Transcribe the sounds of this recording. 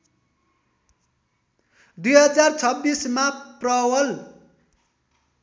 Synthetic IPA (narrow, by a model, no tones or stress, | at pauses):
d̪ujɦʌd͡zart͡sʰʌbːismaprʌwʌl